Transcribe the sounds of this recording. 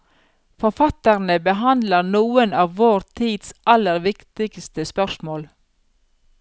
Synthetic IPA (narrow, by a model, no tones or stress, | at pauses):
fɔɾfɑt̪əʁnəbəɦɑnd̪ləɾnuːənɑːʋʋoːɾt̪ʰiːd̪sʔɑləɾʋɪkt̪ɪɡst̪əspœʃmoːl